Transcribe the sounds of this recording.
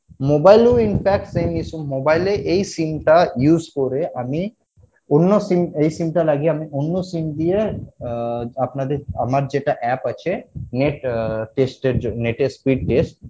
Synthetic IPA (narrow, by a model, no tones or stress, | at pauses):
mobajluinpʰɛk̚ʈsemisumːobajleʔejsimʈajuzkoɾeʔami | onːosimejsimʈalaɡiamiʔonːosimd̪ije | apnad̪eɾa̰maɾd͡ʑeʈaʔɛpat͡ʃʰeneʈʈesʈeɾneʈespiɖ̚ʈesʈ̚